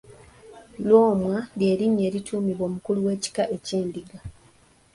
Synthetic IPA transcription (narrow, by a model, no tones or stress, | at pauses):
lwo̞ːmwalje̞ːɾiɲːe̞ːɾitʰuːmiβo̞ːmukuluwe̞ːci̥kaʔeciːndiɡa